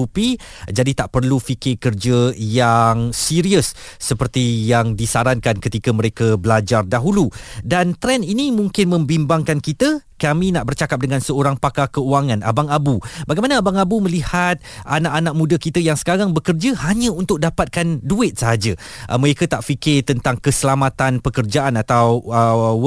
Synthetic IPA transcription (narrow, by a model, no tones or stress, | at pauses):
upi | d͡ʒadit̪aʔpərlufikɪrkərd͡ʒəjaŋsiɾiəsːəpərt̪ijaŋdisaɾankankət̪ikəmə̃ɾekəbəlad͡ʒardaɦuludant̪ɾɛninimũŋkɪnmə̃mbimbaŋkankit̪əkamĩnaʔbərt͡ʃakap̚dəŋãnsəoɾaŋpakakəuaŋãna̰baŋabubaɡajmanəːbaŋabumə̃lihat̪̚ʔanaʔanak̚mũdakit̪əjaŋsə̥kaɾaŋbəkərd͡ʒəhaɲə̃unt̪ʊk̚dapat̪̚kanduɪt̪̚səɦad͡ʒə | ʔə̰məɾekat̪aʔfikɪt̪ənt̪aŋkəsəlamat̪anpəkərd͡ʒaʔanat̪awə